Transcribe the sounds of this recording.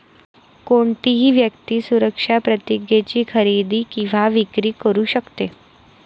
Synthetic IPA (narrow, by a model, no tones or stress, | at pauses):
koɳt̪iɦiːʋjəkt̪iːsuɾəkʂapɾət̪iɡjet͡ɕiːkʰəɾid̪iːkĩʋaʋikɾiːkəɾuːɕəkt̪e